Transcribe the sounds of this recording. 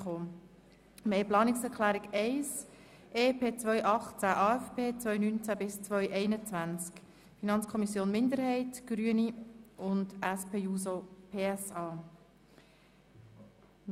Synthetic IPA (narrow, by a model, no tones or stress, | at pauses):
χoː | mɛjplɑːnɪksɛɾkʰlæːɾɪɡɛɪs | ʔeːpʰeːt͡sʋœʏʔɑχt͡sæʔɑːɛfpʰeːt͡svœʏnynt͡sæbɪst͡sʋœʏʔɛɪnət͡sʋænt͡sk | finɑnt͡skʰɔmisjoːnmɪnd̪əɾhɛɪtɡ̥ɾyəniʊndæspʰeːuːsopʰeːɛsɑː